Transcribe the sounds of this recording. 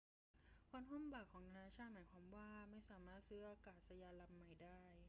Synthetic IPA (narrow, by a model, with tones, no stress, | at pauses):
kʰa˧˥nɦu˥˩˨mbaː˨˩kʰːɔː˩˦ŋt̪ʰa˧naː˧˥t͡ɕʰaː˥˩maː˩˦jkʰaː˧˥mwaː˥˩ma˥˩jsaː˨˩˦maː˥˩t̪̚sɯː˧˥˦ʔaː˧kaː˨˩t̪̚sa˧jaː˧nla˧mːa˨˩jdaː˥˩j